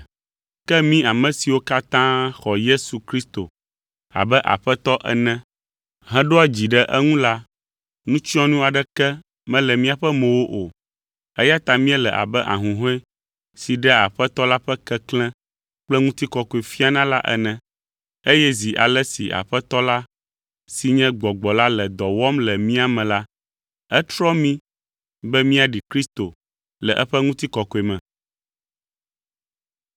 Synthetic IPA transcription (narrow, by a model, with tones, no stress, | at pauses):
kɛ˦mĩ˦a˨mɛ̃˨si˨wo˦ka˦t̪ã˦xɔ˨je˦su˨kɾi˦st̪o̰˨ | a̰˨bɛ˦ʔa̰˨ɸɛ˦t̪ɔ˦ʔɛ̰˦nɛ̃˦ | ɦɛ̃˦ɖo˦a˦d͡ʑi˨ɖɛ˦ʔɛ˦ŋũ˦la˦ | nũ˦t͡ʃɔ̃˦nũ˦a˨ɖɛ˦kɛ˦ | mɛ̃˦lɛ˨mĩ˦a˨ɸɛ˦mɛ̃˨wo˦ʔo˨ | ɛ˦ja˦t̪a˨mĩ˦ɛ˦lɛ̰˨ʔa̰˨bɛ˦ʔa̰˨ɦũ˨ɦõ˦ɛ˦ | si˨ɖɛ˦a˨ɸɛ˦t̪ɔ˦la˦ɸɛ˦kɛ˦klɛ̃˦ | k͡plɛ˦ŋũ˦t̪i˦kɔ˨kɔ˨e˨fi˦a˦nã˦la˦ʔɛ̰˦nɛ̃˨ | e˦jɛ˦zi˨ʔa̰˨lɛ˦sḭ˨ʔa̰˨ɸɛ˦t̪ɔ˦la˦ | si˨ɲɛ̃˦ɡ͡bɔ˨ɡ͡bɔ˨la˦lɛ˨d̪ɔ˨wɔ˦mlɛ˨mĩ˦a˨mɛ̃˨la˦ | ɛ˦t̪ɾɔ˦mĩ˦ | bɛ˦mĩ˦a˨ɖi˨kɾi˦st̪o˨ | lɛ˨ʔɛ˦ɸɛ˦ŋũ˦t̪i˦kɔ˨kɔ˨e˨mɛ̃˨